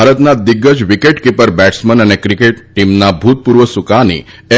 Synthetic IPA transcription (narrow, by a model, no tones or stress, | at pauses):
aɾət̪nad̪iɡːəd͡ʒʋikeʈkipəɾbæʈsmənənekɾikeʈːimnabʱut̪̚puɾʋəsukanḭ | e